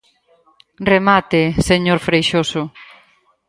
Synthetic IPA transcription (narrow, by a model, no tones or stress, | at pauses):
remat̪eseɲoɾfɾejʃosʊ